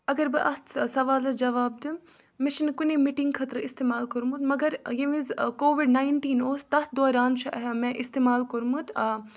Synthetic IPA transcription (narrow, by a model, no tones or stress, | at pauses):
ɐɡɐɾbɨʔɐt̪sɐʋaːlɐd͡ʒɐʋaːb̚d̪ɨ | met͡ʃʰinkunemiʈiŋɡkʰɐt̪ɾɐist̪eːmaːlkɐɾmut̪mɐɡɐɾjeʋizkoːʋiɖnaːɪɳʈiːnoːst̪ɐt̪̚d̪oːɾaːnt͡ʃʰɐʔɐɦemɛ̃ʔist̪eːmaːlkɐɾmut̪a